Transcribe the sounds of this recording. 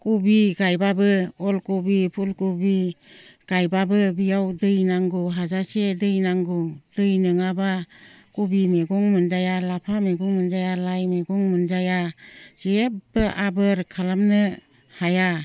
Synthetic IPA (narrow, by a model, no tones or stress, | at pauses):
kubiɡajbabɯɔlkubipʰulkubiɡ̥ajbabɯbijawdɯjnaŋɡuɦazasedɯjnaŋɡud̥ɯjnɯŋaba | kubimeɡɔŋmɯnd͡ʒajalapʰameɡɔŋmɯnd͡ʒajalajmeɡɔŋmɯnd͡ʒajaz̥ebɯʔabɯɾkʰalamnɯ | haja